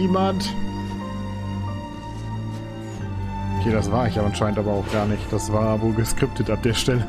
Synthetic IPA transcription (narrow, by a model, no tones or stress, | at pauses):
iːmant | ʔʊkʰeːdasv̥aːɐɪçjaʔanʃaɪntʔaːbɐaʊxɡ̥aːɐnɪçt̚d̥asv̥aːɐvoːlɡəskʁ̥ɪp̚tʰətap̚d̥eːɐʃtɛlə